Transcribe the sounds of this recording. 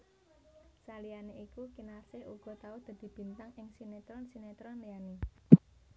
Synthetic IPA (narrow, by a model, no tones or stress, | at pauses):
salijaneʔikukinarseʔuɡ̥ɔ̤t̪aud̪̥ä̤d̪̥i̤b̥i̤nt̪aŋɪŋsinet̪ɾɔnsinet̪ɾɔnlijani